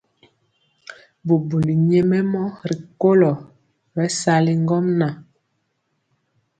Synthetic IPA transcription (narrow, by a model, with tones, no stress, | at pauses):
bu˨bu˨li˨ɲɛ˦mɛ˦mɔ˦ɾi˨ko˦lɔ˨ | bɛ˦sa˦li˦ŋ˦ɡɔ˦mna˨